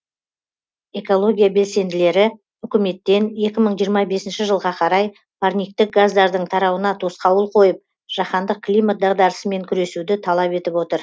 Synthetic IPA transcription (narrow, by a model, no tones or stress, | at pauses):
e̞ko̞lˠo̞ɡʲijabe̞lse̞nd̪ɪle̞ɾɪ | ʏkʲɪme̞t̪ːe̞ne̞kʲɪməɴʒijəɾmɑbe̞sɪnʃɪʒəlˠʁɑqʰɑɾɑj | pʰaɾnʲijk̚t̪ɪk̚ɡazd̪ɑɾd̪əɴt̪ʰɑɾɑwənɑt̪ʰo̞sqɑwəlˠqʰo̞jəp̚ | ʒ̥ɑχɑnd̪əq̚klˠijmat̪̚d̪ɑʁd̪ɑɾəsəme̞ŋkʲʰʏɾe̞sud̪ɪt̪ʰɑlˠɑpe̞t̪ɪpwo̞t̪əɾ